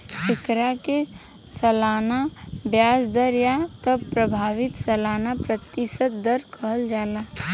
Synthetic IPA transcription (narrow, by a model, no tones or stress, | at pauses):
t͡ʃʰɪkɾake | sɐlaːnabjaːsd̪əɾjat̪əbpɾəbʱaːʋɪt̪sɐlaːnapɾət̪ːɪʃət̪̚d̪əɾkʰəɦəld͡ʒaːlaː